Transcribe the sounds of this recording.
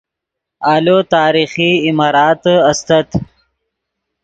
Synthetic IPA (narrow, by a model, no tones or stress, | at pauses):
aːlot̪aːɾixiːmaːɾɑːt̪ɐst̪ɐt̪